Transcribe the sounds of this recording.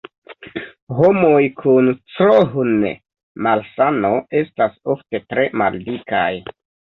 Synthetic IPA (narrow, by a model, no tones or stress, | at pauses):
ɦomojkʰunt͡sɾoɦunḛ | malsano̞e̞staso̞fte̞tɾe̞ma̰ldika̰j